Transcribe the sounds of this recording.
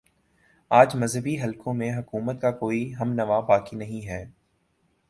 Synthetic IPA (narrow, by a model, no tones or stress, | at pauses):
aːd͡ʒmɐzɦəbiɦɐlkõmẽɦɐkuːmət̪̚kakoːiɦɐmnɐʋabaːkinɐɦĩɦɛː